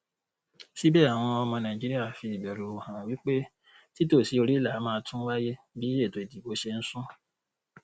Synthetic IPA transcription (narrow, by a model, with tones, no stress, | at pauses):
si˦bɛː˦˨a˨w̃ɔ̃˧ɔ˧mɔ̃˧nã˨d͡ʒi˦ɾi˦a˦˨fi˧˨bɛ˨ɾu˨hã˨wi˨˦k͡pe˦ | ti˦to˦˨si˨˦o˧ɾi˦˨la˨˦mãː˧˦tʰũ˦wa˦je˦ | bi˦je˦˨to˨i˨di˨bo˨˦ʃe˧n̩˦sũ˦